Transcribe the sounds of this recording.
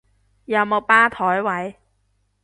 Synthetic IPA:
jɐ˨˩wmo˨˩paː˥t̪ʰɔː˨˥jwɐ˨˥j

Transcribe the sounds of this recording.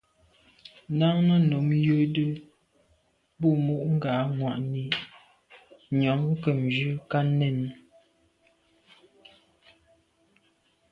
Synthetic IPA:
na˦ŋnə˦no˨˦mjə˦də˦ | bu˦˨mu˦ʔŋ̩˦ɡa˨˦ŋwa˨ʔni˨ | ɲɔ˨˦ŋ˦kə˨m˨d͡ʒʉ˦ka˦nɛ˦˨n˨

